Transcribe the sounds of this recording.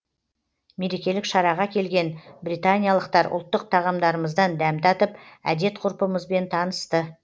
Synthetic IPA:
me̞ɾe̞kʲe̞lɪkʃɑɾɑʁɑkʲʰe̞lɡʲe̞nbɾijt̪anʲijalˠəqt̪ɑɾʊ̰lˠt̪ːəq̚t̪ʰɑʁɑmd̪ɑɾəməzd̪ɑnd̪æmt̪ɑt̪əpæ̰d̪e̞t̪qʰʊɾpəməzbe̞nt̪ʰɑnəst̪ə

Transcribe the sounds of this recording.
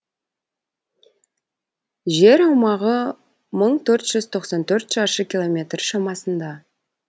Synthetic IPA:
ʒe̞ɾɑwmɑʁə | məɴt̪ʰɵɾt̪ʒ̥ʏzt̪ʰo̞qsɑnt̪ʰɵɾt̪ʒ̥ɑʃəkʲʰilˠo̞mʲe̞t̪rʃɑmɑsənd̪ɑ

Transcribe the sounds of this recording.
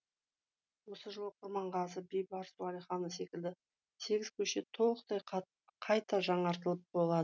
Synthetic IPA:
wo̞səʒəlˠəqʰʊɾmɑɴʁɑzəbejbɑɾsuɑlijχɑnəse̞kʲɪld̪ɪ | se̞ɡʲɪzkʲʰɵʃe̞t̪ʰo̞lˠəqt̪ɑj | qʰɑjt̪ɑʒɑɴɑɾt̪əlˠəp̚bo̞lˠɑd̪ə

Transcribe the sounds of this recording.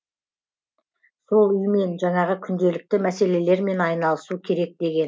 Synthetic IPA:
so̞lˠʏjme̞nʒɑŋɴɑʁəkʲʰʏnd̪e̞lɪk̚t̪ɪmæse̞le̞le̞ɾme̞nɑjnɑlˠəsukʲʰe̞ɾe̞k̚d̪e̞ɡʲe̞n

